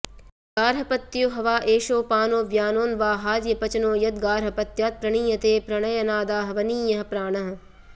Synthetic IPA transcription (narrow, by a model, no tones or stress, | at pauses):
ɡaːɾɦɐpɐt̪ːjoɦɐʋaːʔeːʃoːpaːnoːʋjaːnoːnʋaːɦaːd͡ʒjɐpɐt͡ʃɐnoːjɐd̪̚ɡaːɾɦɐpɐt̪jaːt̪̚pɾɐɳ̃iːjɐt̪eːpɾɐɳɐjɐnaːd̪aːɦɐʋɐniːjɐɦɐpɾaːɳɐɦɐ̆